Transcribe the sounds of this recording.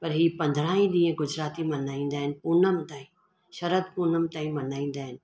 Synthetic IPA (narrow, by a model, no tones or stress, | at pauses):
pɐɾɦiːpɐ̃nd̪ʱɾãːĩɗ̪ĩːẽɡʊd͡ʑɾaːt̪imɐnaːĩːn̆d̪aːɦɪnɪ̆puːnəmt̪ãːĩ | ʃɐɾəd̪̚punəmt̪aːĩmɐnaːĩːn̆d̪aːɦɪnɪ̆